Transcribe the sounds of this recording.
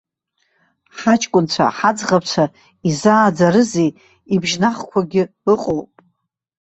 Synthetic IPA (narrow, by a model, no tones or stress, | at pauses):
ħat͡ʃʼkʷʼʊnt͡ɕʷʰa̰ħad͡zʁap̚ʰt͡ɕʷʰa | izaːd͡zaɾɨzej | ibʒnaχkʷʰaɡʲɪɨqʼowpʼ